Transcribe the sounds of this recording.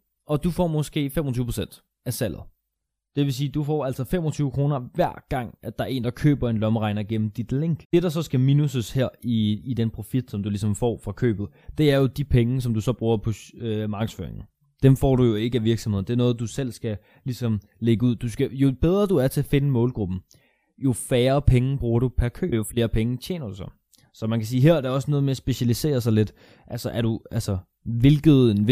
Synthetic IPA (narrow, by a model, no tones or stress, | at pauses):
ɒ̽d̥ufɒ̰ːmɒ̽sɡ̥e̝̰ːfem̰ɒt͡sʰyːʊpʰosen̰d̥ | æsæl̰ð̩ˠ | d̥e̝ʋe̝s̬iːd̥ufɒ̰ːæl̰sɒfem̰ɒt͡sʰyːʊkʰʁo̝ːnɐʋæɐ̰ɡ̥ɑ̈ŋ̰æd̥ɑ̈æɐe̝̰ːnd̥ɑ̈kʰø̰ːb̥ɐe̝nlɒ̽məʁɑ̈ɪnɐɡ̥em̰m̩d̥id̥le̝ŋɡ̥d̥e̝ɾ̥ɑ̈sɒ̽sɡ̥æminusəsheɐ̰iid̥enpʰʁofid̥sɒ̽md̥ulisɒ̽mfɒ̰ːfʁɑ̈kʰø̰ːb̥ð̩ˠd̥e̝æɐjo̝d̥ipʰeŋəs̬ɒ̽md̥usɒ̽b̥ʁuːɐpʰɒ̽ømɑ̈ːɡ̥ð̩ˠsfø̰ɐḛŋn̩ | d̥emfɒ̰ːd̥ujo̝e̝ɡ̥əæʋiɐɡ̥sɒmheð̰ˠndeæɐnɔ̽ːð̞̩ˠd̥usel̰sɡ̥æ | lisɒ̽m | leɡ̥əuð̞̰ˠd̥usɡ̥æjo̝b̥eð̞ˠʁɐd̥uæɐt͡sʰe̝ɐfe̝nəmɔ̽ːlɡ̥ʁub̥n̩ | jo̝fæːɐpʰeŋəb̥ʁuːɐɾupʰæɐkʰø̰ːjo̝fle̝ːɐpʰeŋət͡ɕʰjḛːnɐd̥usɒ̽ | sɒ̽mænkʰæs̬iːɦeɐ̰æɐdɾ̥æɒ̽sənɔ̽ːðˠmeæsb̥e̝ɕælise̝̰ːɐs̬ɑ̈ɪle̝d̥ | ʔælsɐʔæɐɾuælsə | ʋe̝lɡ̥ð̞̩ˠen